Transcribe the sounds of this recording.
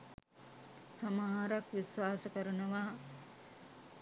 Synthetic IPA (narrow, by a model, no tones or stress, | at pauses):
samaɦaɾakʋiswaːsəkəɾunɐʋaː